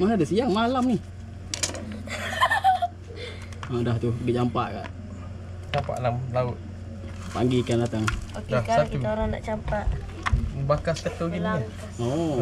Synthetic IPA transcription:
manadasiaŋmalamnih | adaht̪udiʔt͡ʃampaʔka̰ʔ | t͡ʃampa̰ʔlamlaʊt̪̚ | pa̰ŋɡikandat̪aŋokdahsatuɾaŋna̰ʔt͡ʃampaʔ | bakaskət̪oɡini | o

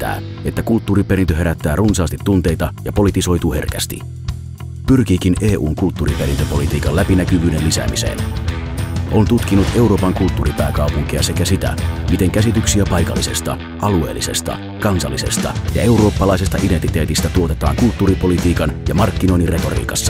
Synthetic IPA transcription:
t̪ːæ̰ː | et̪ːækult̪ːuːɾipe̞ɾint̪øɦe̞ɾæt̪ːæːrunsɑːst̪it̪ːunt̪e̞jt̪ɑjɑpo̞lit̪iso̞jt̪uːhe̞̰rkæst̪ḭ | pyrkiːk̟inʔe̞ːʔuːŋkult̪ːuːripe̞ɾint̪øpo̞lit̪iːkɑlæpinækyʋyːde̞nlisæ̰misḛn | ʔo̞nt̪ut̪k̟inːut̪e̞uɾo̞ːpɑŋkult̪ːuːɾipæːkɑupuŋk̟iɑse̞kæsit̪æ̰mit̪e̞ŋkæsit̪yksiæpɑjkɑ̰lːise̞st̪ɑ̰ | ʔɑlue̞̰ːlːise̞st̪ɑ̰ | kɑnsɑ̰lːise̞̰st̪ɑ̰jɑe̞wɾo̞ːpːɑlɑise̞st̪ɑʔident̪it̪e̞ːt̪ist̪æt̪uo̞t̪e̞t̪ɑ̰ːŋkult̪ːuːripo̞lit̪iːkɑnjɑmɑrkːino̞jnire̞t̪o̞̰rḭːkɑsːɑ̥

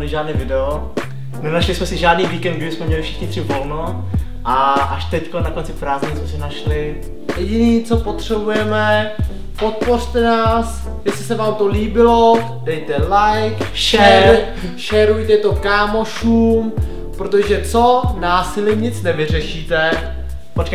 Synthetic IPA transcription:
lɪʒaːdnɛːvɪdɛo | nɛnaʃlɪsmɛsɪʒaːdniːviːkɛnd̪ɡɪbɪsmɛmɲɛlɪfʃɛ̥xɲɪt̪rɪvolno | ʔaʔaʃt̪ɛckonːakont͡sɪfɾaːzɲismɛsɪnaʃlɪ | jɛɟɪniːt͡so̞po̞t̪r̝̥ɛbujɛmɛ | pot̪̚po̞r̝t̪ɛnaːs | jɛslɪsɛvaːmt̪oliːbɪlo | dɛjt̪ɛlajkʃɛɛ | ʃɛːɾujt̪ɛt̪o̞kaːmoʃuːm | pɾot̪̬oʒɛt͡so̞naːsɪlɪmɲɪt͡snɛvɪr̝ɛʃiːt̪ɛ | pot͡ʃkaj

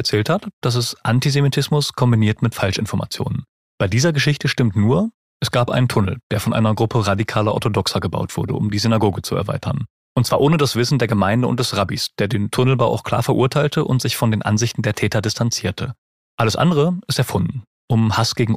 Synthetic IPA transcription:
ɛɐt͡sɛːlthatd̥as̬ɛsʔantizemitʰɪsmʊskʰɔmbiniːɐtmɪtfalʃɪnfɔɐma̰t͡sjo̰ːnən | b̥aɪdiːzɐɡəʃɪçtəʃtɪmtnuːɐ | ʔɛsɡ̥aːpʔa̰ɪnəntʰʊnl̩d̥eːɐfɔnʔa̰ɪnɐɡʁʊpʰəʁadikʰaːlɐʔɔ̰ɐtʰodɔksɐɡəba̰ʊtv̥ʊɐdə̰ʊmdiːzynaɡoːɡət͡suɛ̰ɐva̰ɪtʰɐn | ʔʊntt͡sv̥aːɐʔoːnədasv̥ɪsn̩deːɐɡəmaɪndəʊ̰ntd̥ɛsʁabisd̥eːɐdeːntʰʊnl̩baʊʔa̰ʊkʰl̥a̰ːɐfɛɐʔuːɐtʰaɪltʰəʔʊ̰ntz̥ɪçfɔndeːnʔa̰nzɪçtn̩deːɐtʰɛːtɐdɪstʰant͡siːɐtʰə | ʔaləsʔa̰ndəʁ̞əɪstɛɐfʊndn̩ | ʔʊmhasɡ̥eːɡŋ̩

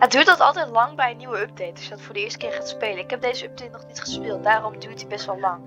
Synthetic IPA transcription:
ət̚dyːɹtdɔtɑlˠtɛjtlɑŋbɛjəniwəøp̚dejtdəsɔtfʊːɹdəɪːɹstə̥kɪːɹχaːtspeːləɪkɦɛp̚dejzəøp̚dejtnɔχnitχəspeːlˠt̚daːrɔmdyːɹtibɛstʋɛlˠlɑŋ

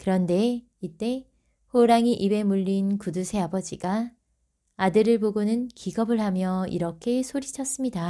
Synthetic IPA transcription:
kɯɾʌnde̞ | it͈e̞ | ɸoɾaŋiʔibe̞muʎːinkudusʰe̞abʌd͡ʑiɡa | adɯɾɯɭpoɡonɯnkiɡʌbɯɭhamjʌḭɾʌkʰe̞sʰoɾit͡ɕʰʌs͈ɯmɲida

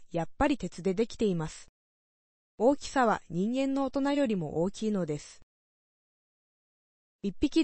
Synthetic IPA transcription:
japːaɾʲit̪e̞t͡sɨd̪e̞d̪e̞kʲi̥t̪e̞imasɨ̥ | o̞ːkʲi̥saβaɲ̟ĩŋɡẽ̞nːo̞ot̪o̞naɾʲo̞ɾʲimo̞̰ʔoːkʲiːno̞d̪e̞sɨ̥ | ipʲːikʲi

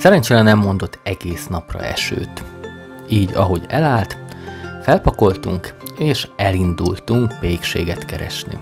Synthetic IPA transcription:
sɛɾɛɲt͡ʃeːɾɛnɛmːo̞nd̪o̞t̪ʰːɛɡeːsnɒprɒ̰ɛ̰ʃø̰ːt̪ | iːɟɒɦo̞ɟɛlaːlt̪fɛlpɒko̞lt̪uŋkeːʃɛlind̪ult̪uŋkʋeːkʃḛːɡɛt̪kɛɾɛ̰ʃnḭ

